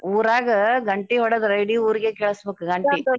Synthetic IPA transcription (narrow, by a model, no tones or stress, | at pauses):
uːɾaːɡɐɡɐɳʈiɦɔɽɐd̪ɾɐjɽiuːɾiɡekɛːɭɐsɐbeːkɯɡɐɳʈi